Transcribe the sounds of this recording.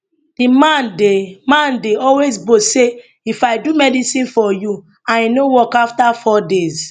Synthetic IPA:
d̥imãndemãndeɔlwezbose | ifaɪdumɛdisĩnfɔju | ãinowɔkaftafɔdez

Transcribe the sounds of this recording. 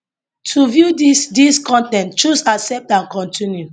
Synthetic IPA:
tʰuvjudisdiskʰɔ̃ntɛ̃nt̚t͡ʃusaksɛp̚tãnkɔ̃ntʰĩnju

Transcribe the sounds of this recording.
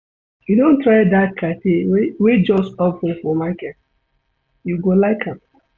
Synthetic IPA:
judõntɾaɪdat̚kʰatewed͡ʒɔstɔpĩfɔmakɛt̚ | juɡolaɪkʰãm

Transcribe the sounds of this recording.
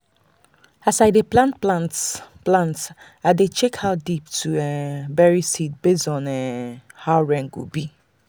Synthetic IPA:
asaɪdeplãntlatplãnt | aɪdet͡ʃɛkhaʊdip̚tʰuɛbɛɹisit̚besɔ̃nɛhaʊɹɛ̃ŋɡo̰bi

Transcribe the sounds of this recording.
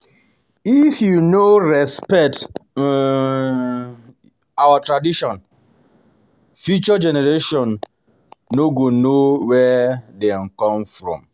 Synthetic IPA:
ifjunoɹɛspɛk̚t | awatɹadiʃɔ̃n | fjut͡ʃɔd͡ʒɛnɛɾeʃɔ̃nː | oɡonowɛdɛn̩kɔ̃mfɹɔ̰̃m

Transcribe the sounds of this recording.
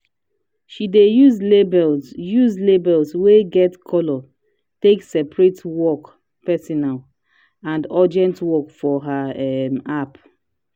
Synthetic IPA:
ʃidejuzlebɛljuzlebɛlsweɡɛtkʰɔlɔ | teksɛpɹetwɔk | pɛsɔnal | ãndɔd͡ʒɛ̃ntwɔkfɔɦaɛmap

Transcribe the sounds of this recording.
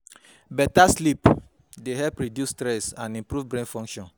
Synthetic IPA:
bɛtaslip | deɦɛlpɹidjustɾɛsãnĩmpɾuvbɾẽnfɔ̃ŋkʃɔ̃n

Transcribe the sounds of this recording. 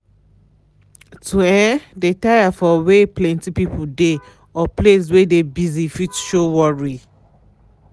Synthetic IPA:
tʰuɛdetajafɔweplɛ̃ntipipude | ɔples̬wɛdebizifitʃowɔɹi

